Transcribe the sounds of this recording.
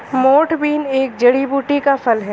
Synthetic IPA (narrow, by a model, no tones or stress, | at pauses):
moːʈʰbiːneːk̚d͡ʒɐɽibuːʈikafɐlɦɛː